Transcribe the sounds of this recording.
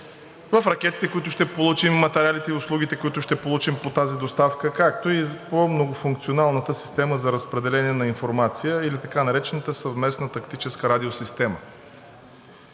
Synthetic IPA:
vəfɾɐk̟ɛt̪it̪ɛkoit̪ʊʃt̪ɛpolˠut͡ʃimːɐt̪ɛɾʲalit̪ɛiʊslˠuɡ̟it̪ɛkoit̪ʊʃt̪ɛpolˠut͡ʃimpot̪azid̪ost̪afkəkak̚t̪oipomnoɡʊfuŋk̚t̪sionalˠnət̪əsi̥st̪ɛməzɐɾəspɾɛd̪ɛlɛniɛnɐinfoɾmat̪sijəilit̪ɐkanɐɾɛt͡ʃɛnət̪əsəvmɛsnət̪ɐkt̪it͡ʃɛskəɾad̪iosist̪ɛmə

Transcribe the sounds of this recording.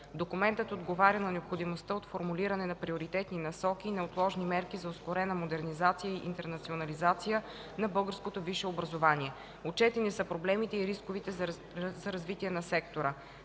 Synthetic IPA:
d̪okʊmɛnt̪ət̪od̪ɡovaɾʲɐnɐnɛopxod̪imost̪əot̪foɾmuliɾɐnɛnɐpɾioɾit̪ɛt̪ninɐsɔkiːnɐot̪lˠɔʒnimɛɾkizɐoskoɾɛnəmod̪ɛɾnizat̪sijəiʔːnt̪ɛɾnɐt̪sionɐlizat̪sijə | nɐbɤlˠɡəɾskot̪oviʃɛobɾɐzovaniɛ | ot͡ʃɛt̪inɛsəpɾoblɛmit̪ɛiɾiskovit̪ɛ | zɐɾɐzvit̪iɛnɐsɛkt̪oɾə

